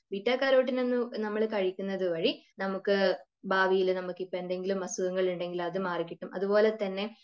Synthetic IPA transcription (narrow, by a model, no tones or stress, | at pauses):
ʋitːaːkːaːɾoːʈ̬ːine̞nːɨnɐmːɐɭkɐɻikʲːunːɐðɨʋɐɻinɐmukːɨ | bʱaːʋijilnɐmukːipːoe̞nd̪e̞ŋɡilumːɐsuɣɐŋːɐɭuɳɖe̞ŋɡilɐðɨmaːrikʲːiʈːumʔɐ̰ðupo̞ːle̞t̪ɐnːe̞